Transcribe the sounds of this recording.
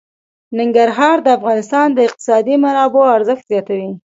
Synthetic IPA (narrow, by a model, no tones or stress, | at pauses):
nɪŋɡaɾɦɑɾd̪əafɣɑnɪst̪ɑnd̪əɪq̚t̪ɪ̥sɑd̪imanɑboaɾzəxt̪zjɑt̪awi